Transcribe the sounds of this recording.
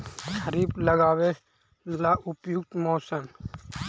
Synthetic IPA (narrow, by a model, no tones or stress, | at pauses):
xʰəɾiːbləɡaːwe | laʔʊpjʊkt̪moːsəm